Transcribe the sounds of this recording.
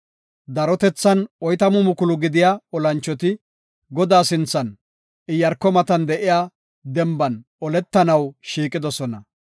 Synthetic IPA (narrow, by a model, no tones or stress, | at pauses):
d̪ɐɾɔt̪ɛt͡sːɐnɔjt̪ɐmʊmʊkʊlʊɡɪd̪ɪjaɔlɐnt͡ʃːɔt̪ɪ | ɡɔd̪aːsɪnt͡sːɐn | ɪjɐɾkːɔmɐt̪ɐnd̪ɛʔɪjaː | d̪ɛmbɐn | ɔlɛt̪ːɐnɐwʃiːkʼːɪd̪ɔsɔnɐ